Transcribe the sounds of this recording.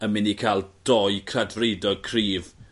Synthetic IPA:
əmɪnikʰalˠd̥ɔjkʰradvrejdɔkʰriːv

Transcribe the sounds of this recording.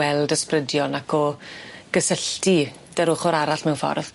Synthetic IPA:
wɛlˠdəsprədjɔnakʰɔɡ̥əsəɬti | d̥əɾʊχɔɾaɾaɬmɛwfɔ̰rv̥

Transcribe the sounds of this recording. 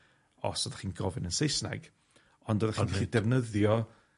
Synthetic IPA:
ɔ̰sɔðaχiːnɡɔvɪnənsejsna̰ɡ̥ | ɔndɔðaχinχidɛvnəðjɔ

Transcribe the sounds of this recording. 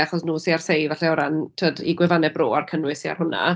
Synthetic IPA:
aχɔsnuːsiarsejvaɬɛɔwɾantʰəːdḭɡwɛvanɛbro̰ːarkʰənwɪsia̰rɦʊna̰

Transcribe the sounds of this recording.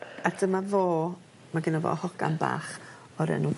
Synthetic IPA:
atʰəmavoː | maɡɪnavo̰ːhɔkamba̰ːχ | ɔɾɛ̰nu

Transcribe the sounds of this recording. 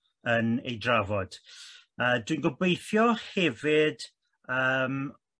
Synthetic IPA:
ənḛjdravɔd̥ | əːdwijnɡɔbejθjɔhɛvɪd̥ | əːm

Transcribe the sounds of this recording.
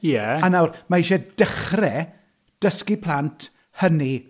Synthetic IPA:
jɛanawrmaiʃɛd̥əχrɛ | d̥əskipʰlˠantʰ | həni

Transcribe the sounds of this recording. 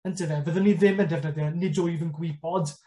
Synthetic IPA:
əntʰəðɛvəðəniðɪməndɛvnədjənɪdʊjvənɡwɪbɔd

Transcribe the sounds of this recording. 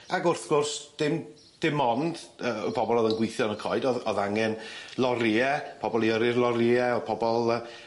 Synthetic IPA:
aɡʊrθɡ̥ʊrsd̥ɪm | d̥ɪmɔnd̥əpʰɔbɔlˠɔðənɡwɪθjɔnəkʰɔɨdɔðɔðaŋɛnlˠɔɾiɛpʰɔbɔlˠiəɾɪrlˠɔɾiɛɔpʰɔbɔlˠə

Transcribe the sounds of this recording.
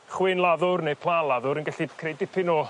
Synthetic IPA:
χwɪnlˠaðʊrnepʰlˠanlˠaðʊɾənɡɛɬikʰrejdɪpʰɪnɔ

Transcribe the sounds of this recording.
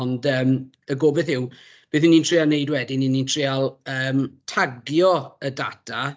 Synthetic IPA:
ɔndəːm | əɡoːbɛθɪw | b̥eːθiniːntʰr̥ɪalˠnejdwɛdininintʰrɪalˠəːmtʰaɡjɔəda̰tʰa

